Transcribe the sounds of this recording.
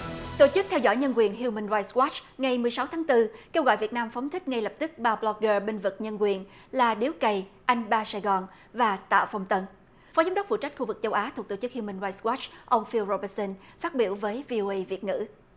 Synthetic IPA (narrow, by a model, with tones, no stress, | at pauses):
t̪o˧˩t͡ɕɨ˦˥k̚t̪ʰɛ˧wzɔ̰˧˥˨jɲə˧nkwi˨˩ənɦi˧wmi˧ŋnzaː˧jtswɔ˦˥t͡ɕŋa˨˩jmɨ˨˩əjsa˨˦wt̪ʰaː˨˦ŋt̪ɨ˧ke˧wɣɔ̰˧˨jvi˨˩ət̚naː˧mfɔ˨˦wŋ͡mt̪ʰï˦˥k̟̚ŋa˧jlə˨˩p̚t̪ɨ˦˥k̚ɓaː˧ɓlɔ˧k̚ɣəː˧ɓe˧nvɨ˨˩t̚ɲə˧nkwi˨˩ən | laː˨˩ɗi˨˦əwkə˨˩jʔa˧jŋ̟ɓaː˧saː˧jɣɔ˨˩n | vaː˨˩t̪a̰ː˧˨wfa˧wŋ͡mt̪ə˧n | fɔ˨˦za˨˦wŋ͡mɗə˦˥fṵ˧˨t͡ɕa˦˥jk̟xu˧vɨ˨˩k̚t͡ɕə˧wʔaː˨˦t̪ʰu˨˩k̚t̪o˧˩t͡ɕɨ˦˥k̚hi˧wmï˧ŋza˧swɔ˦˥t͡ɕʔə˧wŋ͡mfi˧wzo˧ɓə˧˩t̚sə˧nfaː˦˥t̚ɓḭ˧˩əwvəː˨˦jvi˧ʔo˧ʔə˧jvi˨˩ət̚ŋɨ̰˧˥